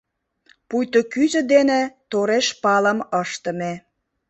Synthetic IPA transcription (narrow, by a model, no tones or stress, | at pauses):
pujt̪okyzə̆d̪enet̪oɾeʃpɑləməʃt̪ə̆me